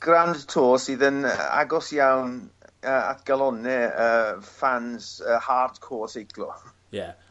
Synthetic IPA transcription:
ɡ̥randtʰoːsɪːðənəa̰ɡɔsjawnəːa̰tɡ̥alˠɔnɛəːfansəːhartkʰoːsejkʰlɔ̰ | jɛ

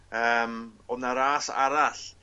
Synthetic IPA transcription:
əːmɔnaɾaːsa̰ɾaɬ

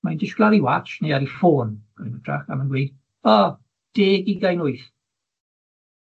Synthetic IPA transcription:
majndɪʃɡ̥lˠaɾiwat͡ʃneaɾifoːnɡ̥ɪ̰nətʰra̰kamanɡwiːd | ɔ | d̥eːɡiɡajnʊɨθ

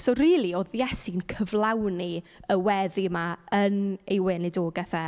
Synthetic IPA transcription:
soːriːlˠioːðjɛsɪnkʰəvlˠawniəwɛðimaənejwɛːnɪdoːɡaθɛ

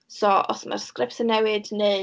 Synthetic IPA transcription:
sɔʔɔsma̰rskrɪptənːɛwɨdne

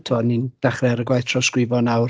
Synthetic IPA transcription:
tʰɔːnind̥aχrɛɾəɡwajθtʰrɔskwɪvɔnawr

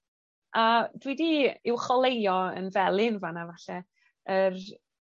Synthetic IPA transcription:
ʔadwidiɪwχɔlˠejɔə̰nvɛlˠɪnvanavaɬɛ | ər

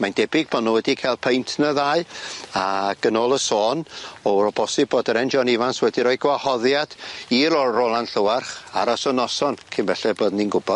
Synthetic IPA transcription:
mandɛbɪɡ̥̚bɔnowɛdikʰajlˠpʰejntʰnəðaɨaɡ̥ənɔːlˠəsoːnɔɾɔbɔsɪb̚boːdəɾɛnd͡ʒɔnɪvanswɛdiɾɔjɡwahɔðjad̥iːɾɔrolˠanɬəwarχa̰ɾɔsɔnɔsɔnkʰɪnvɛɬɛboːdninɡʊbɔd̥

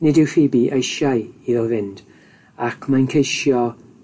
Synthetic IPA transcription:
nɪdɪwriːbiʔejʃajiðɔvɪnd̥ | akʰmajnkʰejʃjɔ

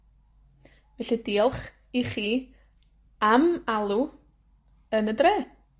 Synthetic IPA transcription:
vɛɬidiːlˠχ | iχiː | amalˠu | ənədreː

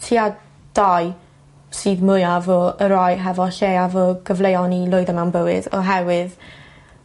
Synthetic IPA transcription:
tʰiːa | d̥aj | sɨːðmʊjavɔəɾɔjɦɛvɔʃejavɔɡ̥əvlˠejɔnilˠʊɨðəmawnbəwɪdɔɦɛwɨð

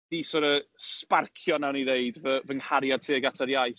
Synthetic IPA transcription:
d̥isɔɾəsparkʰjɔnawniðeɨdvəvəŋhaɾjad̚tʰiːəɡatʰaɾjajθ

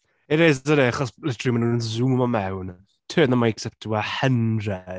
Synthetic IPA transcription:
eɾezadeaχɔslɛtʰrimanunənzumɔmɛwn | tʰøːnamajksɛp̚tʰuahəndrɛ

